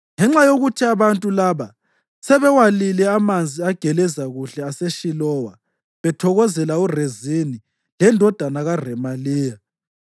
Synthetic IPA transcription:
ŋɛŋ͡ǁajoɣutʰiaβantʼulaːβa | sɛβɛwalilɛamand͡zʱiaɡ̥ʱɛlɛzaɣuɬɛaseʃilɔwa | βɛtʰɔɣɔzɛlaurezini | lɛndʱɔd̥ʱanaɣarɛmaliːja

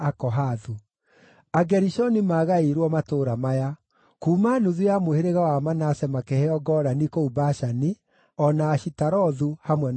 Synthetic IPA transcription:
akɔɦaðu | aɡɛɾiʃɔnimaɣaiɾwɔmatoːɾamaja | kuːmanuðujamoheɾeɣawamanasɛmakɛhɛɔɡɔɾanikoubaʃani | ɔnaːɕitaɾɔðuhamwɛn

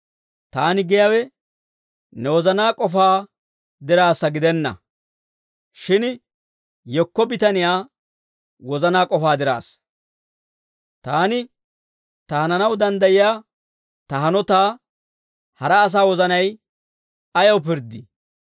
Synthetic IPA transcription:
t̪aːnɪɡɛjawɛ | nɛwɔzɐnaːkʼɔfaː | d̪ɪɾaːsːɐɡɪd̪ɛnːɐ̰ | ʃɪn | jɔkːɔbɪt̪ɐnɪjaː | wɔzɐnaːkʼɔfaːd̪ɪɾa̰ːs | t̪aːnɪ | t̪ɐhɐnɐnɐwd̪ɐnd̪ɐjɪjaː | t̪ɐɦɐnɔt̪aː | hɐɾɐːs̬aːwɔzɐnɐj | ɐjɐwp̬ɪɾd̪ɪ

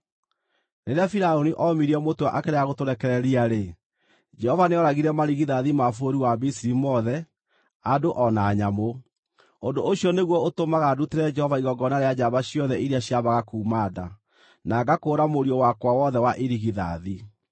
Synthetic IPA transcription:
neɾeafiɾaoniʔɔmiɾiɛmotoaʔakɛɾeaɣotoɾɛkɛɾɛɾiaɾe | d͡ʒɛhɔvaneɔɾaɣiɾɛmaɾiɣiðaðimafoɾiwabisiɾimɔðɛ | adoʔɔnaːɲamo | ondoʔoɕiɔneɣwɔotomaɣaduteɾɛd͡ʒɛhɔvaiɣɔɡɔnaɾead͡ʑaβaɕjɔðɛʔiɾiaɕiaβaɣakuːmaða̰ | naɡakoːɾamoɾiɔwakwawɔðɛwaʔeɾiɣiða̰ði

